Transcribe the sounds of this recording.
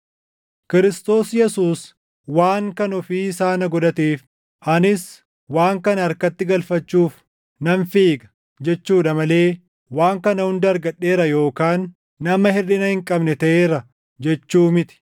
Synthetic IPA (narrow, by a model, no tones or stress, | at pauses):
kɪɾɪst̪o̞ːsjɛsuːs | waːŋkɐnɔfiːɪsaːnɐɡɔd̪ɐt̪iːf | ʔɐnɪs | waːŋkɐnɐɐɾkɐt̪ːɪɡɐlfɐt͡ʃːuːf | nɐnfiːɡɐ̥ | d͡ʒɛt͡ʃːuːᶑɐmɐle̞ː | waːŋkɐnɐhʊnd̪ɐɾɡɐᶑːe̞ːɾɐjo̞ːkaːnː | ɐmɐhɪrɪnɐhɪŋkʼɐbnɛt̪ɐʔeːɾɐ | d͡ʒɛt͡ʃːuːmɪt̪ɪ̥